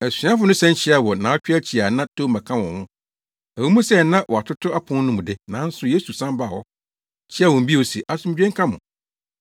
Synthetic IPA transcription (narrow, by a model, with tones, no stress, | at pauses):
æ˨sĩ˨˦a˦fʊ˦nʊ̃˦sɛ̃˦n˦t͡ɕʰɪ˦a˨wɔ˨nãː˨˦ɔ˦t͡ɕᶣa˦t͡ɕʰi˨a˨nã˦tʰo˦mã˨kʰã˦wɔ̃˨hʊ̃˦ | æ˨ũ˦mũ˦sɛ˦nã˦wʔɔ˨a˨tʰʊ˦tʰʊ˦a˦pʰʊ̃˦n˦nʊ̃˦mʊ̃˨dɪ˦nã˨˦n̩˦sʊ˦je˦su˨sã˦m˦ba˦˨wɔ˦ | t͡ɕʰi˦a˦wɔ̃˨m̩˨bi˦ɔ˨si˨ʔa˦sʊ̃˦m˦d͡ʑᶣɛ̃˦ŋ˦kʰã˦mʊ̰̃˨